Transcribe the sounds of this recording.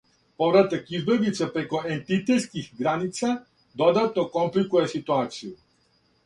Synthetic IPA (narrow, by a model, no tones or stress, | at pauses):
povɾat̪akizbɛd̪lit̪sɛpɾɛkoɛnt̪it̪ɛt̪skixɡɾanit̪sa | d̪od̪at̪nɔkɔmplikujɛsit̪uat̪siju